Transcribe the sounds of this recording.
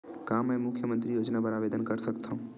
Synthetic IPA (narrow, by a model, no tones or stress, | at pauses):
kaːmɛ̃ːmʊkʰjəmə̃nt̪ɾijoːd͡ʒnabəɾaːʋeːd̪ənkəɾsɐkt̪ʰaũ